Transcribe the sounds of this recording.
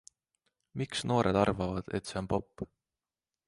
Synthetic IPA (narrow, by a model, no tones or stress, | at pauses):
miksno̞ːɾʔe̞̰d̪̥ɑrvɑvɑd̪̥e̞̰t̪se̞o̞npo̞pː